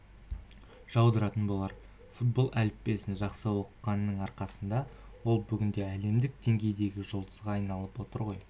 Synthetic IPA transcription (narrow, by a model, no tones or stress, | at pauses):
ʒ̥ɑwd̪əɾɑt̪ənbolˠɑɾ | fut̪̚bo̞lˠʔælɪpːe̞sɪnʒɑqsəwo̞qəqːɑnːəɴɑɾqɑsənd̪ɑwo̞lˠbʏɡʲɪnd̪e̞æle̞md̪ɪk̚d̪̥e̞ŋɡʲe̞jd̪e̞ɡʲɪʒolˠd̪əzʁɑɑjnɑlˠəpwo̞t̪əɾʁo̞j